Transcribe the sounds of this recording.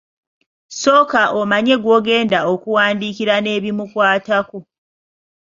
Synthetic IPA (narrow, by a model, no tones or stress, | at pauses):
so̞ːkaʔomaɲe̞ɡwo̞ːɡe̞ːndao̞kuwaːndikiɾane̞ːβimukwaːtako